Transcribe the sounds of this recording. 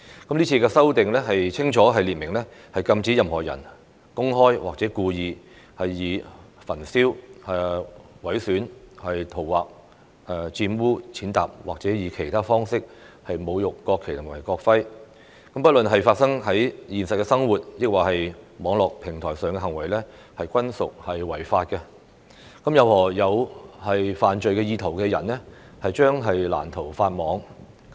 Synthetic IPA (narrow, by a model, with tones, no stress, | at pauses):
kɐ˨˥mliː˥t͡sʰiː˧kɛː˧sɐ˥wt̪ɪ˨ŋlɛː˥ɦɐ˨jt͡sʰɪ˥ŋt͡ʃʰɔː˨˥ɦɐ˨jliː˨t̚mɪ˨˩ŋlɛː˥hɐ˨jkɐ˧mt͡siː˨˥jɐ˨mhɔː˨˩jɐ˨˩n | kʊ˥ŋɦɔː˥jwaː˨k̚t͡sɛː˨˥kuː˧jiː˨˧ | hɐ˨jːiː˨˧fɐ˨˩nsiː˥whɐ˨wɐ˨˥jsyː˨˥nhɐ˨jt̪ʰo˨˩wwa̰ː˨k̚ | ɛː˨˧t͡siː˧nwuː˥t͡sʰiː˨˥nt̪a̰ː˨p̚waː˨k̚t͡sɛː˨˥jiː˨˧kʰe˨˩jt̪ʰaː˥fɔː˥ŋsɪ˥k̚ | hɐ˨jmo˨˧wjʊ˨kːɔː˧kʰːe˨˩t̪ʊ˨˩maː˨˩jkɔː˧k̚fɐ˥j | kɐ˨mpɐ˥t̚lɵ˨nɦɐ˨jfaː˧t̚sɐ˥ŋɦɐ˨˥jjiː˨˩nsɐ˨t̚kɛː˧sɐ˥ŋwuː˨t̚jɪ˥k̚waː˨˩hɐ˨jmɔː˨˧ŋlɔː˨k̚pʰɪ˨˩ŋt̪ʰɔː˨˩jsœː˨˩ŋkɛ˧ɦɐ˨˩ŋwɐ˨˩jlɛ˥ | hɐ˨jkʷɐ˥nsʊ˨k̚hɐ˨jwɐ˨˩jfaː˧t̚kɛ˧ | kɐ˨˥mjɐ˧whɔː˨˩jɐ˨˧whɐ˨jfaː˨nt͡ʃɵ˨ɥkɛː˧jiː˧t̪ʰɐ˨˩wkɛː˧jɐ̰˨˩nɛ˥ | hɐ˨jt͡ʃœː˥ŋɦɐ˨jla̰ː˨˩nt̪ʰo˨˩wfaː˧t̚mɔː˨˧ŋ